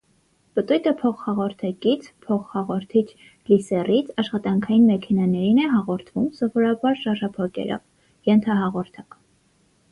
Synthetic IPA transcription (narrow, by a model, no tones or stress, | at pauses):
pət̪ujt̪əpʰɔχhɑʁɔɾt̪ʰɑkit͡sʰpʰɔχhɑʁɔɾt̪ʰit͡ʃʰ | lisɛrit͡sʰɑʃχɑt̪ɑŋkʰɑjinmɛkʰɛnɑnɛɾinɛɦɑʁɔɾt̪ʰvumsɔvɔɾɑbɑɾʃɑɾʒɑpʰɑkɛ̰ɾɔ̰v | jɛnt̪ʰɑɦɑʁɔɾt̪ʰɑk